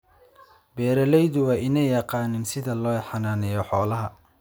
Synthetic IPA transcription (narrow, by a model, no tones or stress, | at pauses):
bɛːɾɐlɛjðʊwɑːʔɪnɛjjːɑqɑːnɪnsɪðɐlɔːħɑnaːnɛjɔħɔːlɐɦɐ